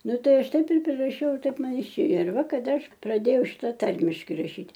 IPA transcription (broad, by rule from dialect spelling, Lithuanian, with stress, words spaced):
ˈnʊ ˈtɐɪ ˈɐʃ ˈtɐɪp ɪr pʲrʲɪrɐˈʃʲɛʊ ɪr ˈtɐɪp ˈmɐn ɪˈʃʲeːjoː ɪr ˈʋɐ kɐˈdɐ ˈɐʃ prɐˈdʲeːjɛʊ ˈʃʲɪtɐ ˈtɐrʲmʲɪʃʲkʲɪ rɐˈʃʲiːtʲ